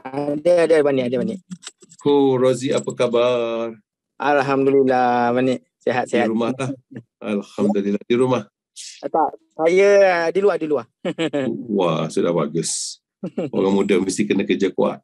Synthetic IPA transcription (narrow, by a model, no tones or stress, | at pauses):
dəadədbanɪʔadəbanɪʔ | koroziapəkabar | ʔalɦamdulilamanɪʔ | seɦat̪̚seɦatɾumahlah | alhamdalilahdiɾumah | at̪aʔsajədiluahdiluah | wasuda̰hba̰ɡəs | ʔo̰ɾaŋmudamist̪ikənəkəd͡ʒakua̰t̪̚